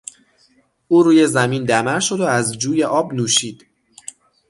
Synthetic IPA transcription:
ʔuːɾuːje̞zæmiːnd̪æmæɾʃo̞d̪oæzd͡ʒuːje̞ʔɒːbnuːʃiːd̪̥

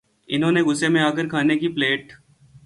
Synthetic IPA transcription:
ɪnɦõːneɡʊsemẽaːɡəɾkʰaːnekipleːʈ

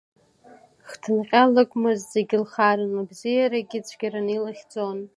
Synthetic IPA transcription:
χtʰɨnqʲʼalɨkʷʼmɨzzeɡʲɪlχaɾɨnabzijaɾaɡʲɪt͡sʷʰɡʲaɾanilaχʲd͡zʼon

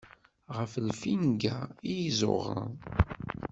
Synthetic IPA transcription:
ʁəflfinɡaijzʊ̰ʁə̰n

